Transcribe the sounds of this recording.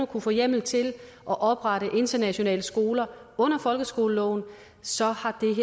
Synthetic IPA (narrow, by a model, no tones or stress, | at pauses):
okʰufɔ̽ːjem̰l̩t͡sʰe̝l | ʔɒ̽ʔɒ̽b̥ʁɑ̈ɾəʔe̝nd̥ɐnæɕo̝nɛ̰ːləsɡ̥o̝ːlɐɔ̽n̰ɐfɒ̽lɡ̥əsɡ̥o̝ːləlɒ̰ʊn | sɒ̽hɑ̈d̥e̝ɦe